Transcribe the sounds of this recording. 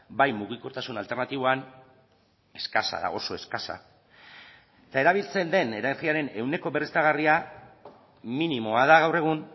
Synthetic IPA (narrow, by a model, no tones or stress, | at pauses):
bajmuɣ̞iko̞ɾt̪asunalt̪e̞rnat̪iβo̞an | e̞skasa̰ða̰o̞so̞e̞skasa̰ | et̪ae̞ɾaβ̞ilt͡se̞nd̪e̞ne̞ɾat͡siaɾe̞ne̞wne̞ko̞βerist̪aɣ̞aria | minimo̞aðaɣawre̞ɣ̞un